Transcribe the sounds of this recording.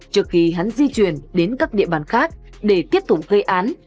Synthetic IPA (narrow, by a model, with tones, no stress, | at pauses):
t͡ɕɨ˨˩ək̚xi˧ɦa˨˦nzi˧t͡ɕwi˧˩ənɗe˨˦nkaː˦˥k̚ɗḭ˧˨əɓaː˧˩nxaː˦˥k̚ | ɗe˧˩t̪i˦˥əp̚t̪ʊ˨˩k͡p̚ɣə˧jʔaː˨˦n